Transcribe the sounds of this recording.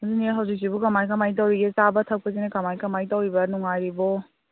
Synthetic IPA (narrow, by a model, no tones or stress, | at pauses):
ziniɦawzik̚sibukɐmajkɐmajt̬awɾiɡesabɐtʰɐw̚kɐs̬inekɐmajkɐmajtawɾibɐnuŋajɾibɔ